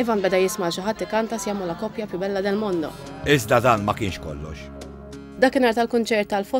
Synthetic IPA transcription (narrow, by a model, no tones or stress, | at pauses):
ɛvɐnbɛd̪ɐjɪsmɐːʃɪɦɐt̪ːɪkɐnt̪ɐsjɐmɔlɐkɔpjɐpjɪbɛlːɐd̪ɛlmɔnd̪ɔ̰ | ɪzd̪ɐd̪ɐːnmɐkɪːnʃkɔ̰lːɔ̰ʃ | d̪ɐːkːɪnɐːɾt̪ɐlkʊnt͡ʃɛɾt̪ːɐlfɔ